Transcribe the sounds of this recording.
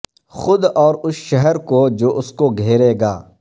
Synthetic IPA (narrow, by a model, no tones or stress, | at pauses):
xʊd̪ɔːɾʊsʃɛɦɛɾkod͡ʒoːʔʊskoɡʱeːɾeːɡaː